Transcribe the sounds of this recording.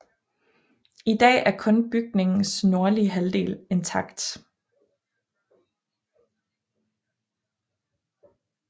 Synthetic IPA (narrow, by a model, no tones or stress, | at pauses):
id̥ɛ̰ːæɐkʰɔ̽nb̥yɡ̥ne̝ŋn̩sno̝ɐliɦæld̥e̝̰ːle̝nt͡sʰɑ̈ɡ̥d̥